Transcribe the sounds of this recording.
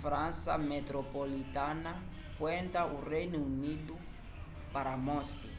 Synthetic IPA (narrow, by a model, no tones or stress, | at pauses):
fɾãnsa̰met̪ɾopolit̪ana | kwẽnt̪aurejnuunidu | paɾamosi